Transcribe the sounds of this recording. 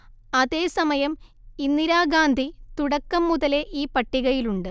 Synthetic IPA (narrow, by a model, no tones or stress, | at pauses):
ɐðe̞ːsɐmɐjɐm | inːiɾaːɡaːnd̪ʱit̪uɽɐkːɐmːuðɐle̞ʔiːpɐʈːiɣɐjiluɳɖɨ